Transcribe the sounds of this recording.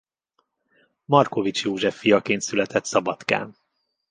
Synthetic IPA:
mɒrko̞vit͡ʃjoːʒɛfːijɒkeːnt̪sylɛt̪ʰɛt̪sɒbɒt̪ka̰ːn

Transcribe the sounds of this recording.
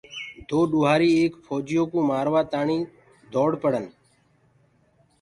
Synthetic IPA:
d̪oːɗʊːɦaːɾiːeːkpʰɔːd͡ʒɪjoːkũːmaːɾʋaːt̪aːɳiː | d̪ʱoːɽpəɽən

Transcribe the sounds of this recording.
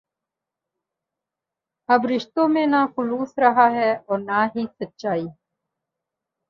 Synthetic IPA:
ɐbɾɪʃt̪õmẽnaxʊluːsɾɐɦaːɦɛːɔːɾnaːɦisətːʃaːiː

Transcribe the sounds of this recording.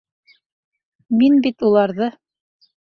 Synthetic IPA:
minbit̪ulˠɑɾðɤ

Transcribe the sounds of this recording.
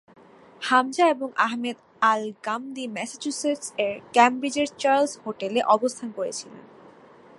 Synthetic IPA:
hamd͡ʑaeboŋʔaɦmed̪ | alɡamd̪imɛsat͡ɕuseʈseɾkɛmbɾid͡ʑeɾt͡ɕaɾlshoʈeleʔɔbost̪ʰankoɾḛt͡ɕʰilḛn

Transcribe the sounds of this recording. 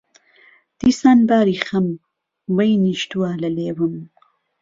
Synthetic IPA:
d̪̥isanbaːɾixam | wajniʃt̪uaːlɐlewəm

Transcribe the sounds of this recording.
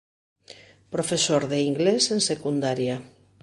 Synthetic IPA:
pɾofesoɾðeiŋɡlesensekund̪aɾja

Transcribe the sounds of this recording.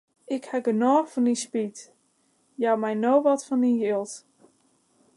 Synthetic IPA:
ɪkhɛɡənɔːxfɔnispit | jawmɛjnoːʋɔtfɔnijilˠt

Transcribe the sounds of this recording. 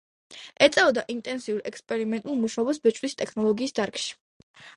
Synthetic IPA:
ɛt̪sʼɛɔd̪aʔint̪ʼɛnsiuɾɛkspʼɛɾimɛnt̪ʼulˠmuʃaɔbasbɛt͡ʃʼwist̪ʼɛkʰnɔlˠɔɡiːsd̪aɾkʰʼʃi̥

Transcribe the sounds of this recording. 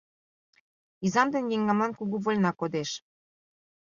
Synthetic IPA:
izɑmd̪ĕnjeŋɡɑmɑnkuɣuβolʲnɑkod̪eʃ

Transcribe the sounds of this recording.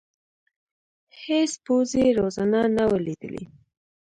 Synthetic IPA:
hespozeɾozananawəlid̪ə̰lḭ

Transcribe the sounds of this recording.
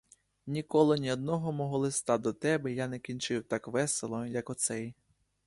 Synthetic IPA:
nʲikɔlˠɔnʲiɔd̪̚nɔɦɔmɔɦɔlˠɪst̪ɑd̪ɔt̪ɛbɛjanɛkʲinʲt͡ʃɪwt̪ɑkʋɛselˠɔjɐkɔt̪sɛj

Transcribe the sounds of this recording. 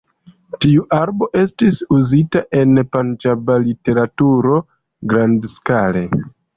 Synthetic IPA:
tiuʔaɾbo̞ʔe̞stisuzitaʔe̞npand͡ʒabalite̞ɾatuɾo̞ | ɡɾandskale̞

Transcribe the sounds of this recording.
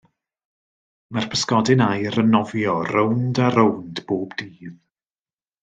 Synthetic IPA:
mar̥pʰəskɔdɪnajɾənɔvjɔrowndaɾowndb̥oːbdiːð

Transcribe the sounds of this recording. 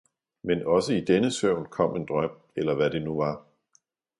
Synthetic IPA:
menɒ̽səid̥enəsøʊ̰nkʰɒ̽m̰e̝nd̥ʁɶm̰ | elɐʋæd̥e̝nuʋɑ̈

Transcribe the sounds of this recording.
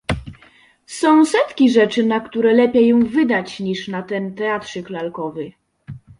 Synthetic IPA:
sɔ̃w̃sɛt̪kʲiʐɛt͡ʂɘnakt̪uɾɛlɛpʲjɛjɔ̃w̃vɘd̪at͡ɕɲiʂnat̪ɛnt̪ɛat̪ʂɘklalkɔvɘ

